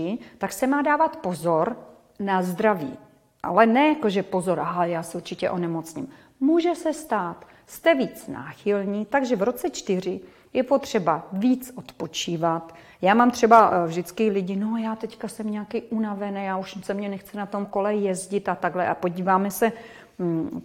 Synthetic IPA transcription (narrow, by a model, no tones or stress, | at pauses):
ɪt̪aksɛmaːdaːvat̪po̞zoɾ | nazd̪ɾavḭː | ʔa̰lɛnɛjakoʒɛpo̞zoɾʔaɦajaːsɛuɾt͡ʃɪcɛ̰ʔo̞nɛmot͡sɲḭm | muːʒɛsɛst̪aːt̪ | st̪ɛviːt͡sna̰ːxɪlɲiːt̪aɡʒɛvɾo̞t͡sɛt͡ʃt̪ɪr̝ɪ | jɛpo̞t̪r̝̥ɛbaviːt͡sʔot̪po̞t͡ʃiːvat̪ | jaːmaːmt̪r̝̥ɛbavʒdɪt͡skɪlɪɟɪnojaːt̪ɛckasɛmɲɛakiːʔunavɛnɛjaːuʃsɛmɲɛnɛxt͡sɪnat̪o̞mko̞lɛjɛzɟɪt̪at̪aɡlɛʔapo̞ɟiːvaːmɛsɛ